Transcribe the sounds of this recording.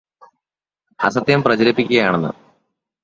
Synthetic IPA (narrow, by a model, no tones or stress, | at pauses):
ɐ̰sɐt̪ːjɐmprɐt͡ɕɐɾɐpːikʲːuɣɐjaːɳenːɨ̰